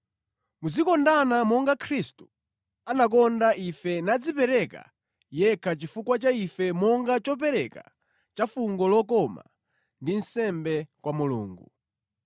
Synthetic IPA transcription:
muzikɔndanamɔŋɡakʰɾistu̥ | anak̬ɔndaʔifɛnad͡zipɛɾɛka̰ | jɛkʰat͡ʃifukwat͡ʃaifɛmɔŋɡat͡ʃɔpɛɾɛka̰ | t͡ʃafuŋɡɔlɔkɔma̰ | ndin̩sɛmbɛkwamulṵːŋɡu

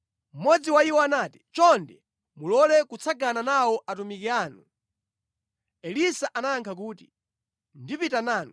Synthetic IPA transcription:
m̩mɔd͡ziwaiwɔanaːti̥t͡ʃɔndɛ | mulɔlɛkut͡sʰaɡananawɔʔatumikiaːnu | ɛlisaʔanaaŋkʰak̬uːtḭ | ndipitanaːnu

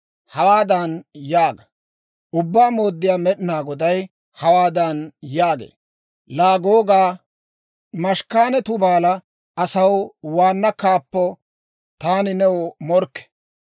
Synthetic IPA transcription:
hɐwaːd̪ɐnjaːɡɐ | ʔʊbːaːmo̞ːd̪ːɪjaːmɛɗnaːɡɔd̪ɐj | hɐwaːd̪ɐnjaːɡḛː | laːɡo̞ːɡaː | mɐʃkaːnɛt̪ʊbaːlɐ | ɐsɐwwaːnːɐkaːpːɔ | t̪aːnɪnɛwɔmɔɾkːɛ̥

